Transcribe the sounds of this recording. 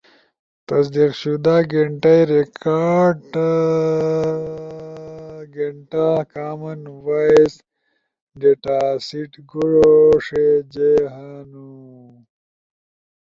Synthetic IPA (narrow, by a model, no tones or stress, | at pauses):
t̪ɐsd̪iqɕud̪aːɡeɳʈajɾekaːɖ | ɡeɳʈakaːmɐnwais | ɡeʈaːsiʈɡuɽoʂed͡ʑeɦanu